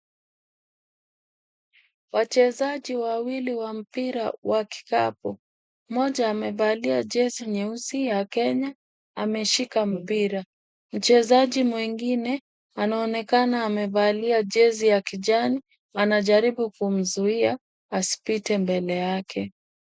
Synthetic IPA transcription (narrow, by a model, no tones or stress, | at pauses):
wat͡ʃɛzaʄiwawiliwam̩piɾa̰wʔaki̥ka̰pu | mɔʄaːmɛvaliaʄɛziɲɛusijakɛɲa | amɛʃikam̩piɾa | m̩t͡ʃɛzaʄimwiŋɡinɛ | anaɔnɛkanaːmɛvaliaʄɛzijakiʄani | anaʄaɾiɓukum̩zuia | asi̥pitɛmbɛlɛjakʰɛ